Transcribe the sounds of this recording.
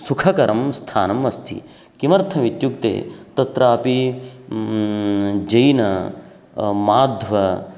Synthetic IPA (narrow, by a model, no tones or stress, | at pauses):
sukʰɐkɐɾʔɐmst̪ʰaːnɐmɐst̪ʰḭ | kimɐɾt̪ʰɐʋit̪jukt̪ḛːt̪ɐt̪ɾaːpi | d͡ʒɐjnɐ | maːd̪ʱʋɐ